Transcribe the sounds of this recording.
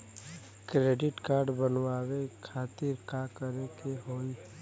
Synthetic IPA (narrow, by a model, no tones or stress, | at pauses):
kɾeːɖɪʈkaːɾɖbənwaːwekʰaːt̪ɪɾkakəɾekeɦoːi